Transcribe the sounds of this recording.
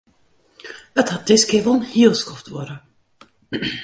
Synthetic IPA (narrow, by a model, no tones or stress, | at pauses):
əthat̚d̥ɪskɪːvɔlˠnhilˠskɔftʋɔɾə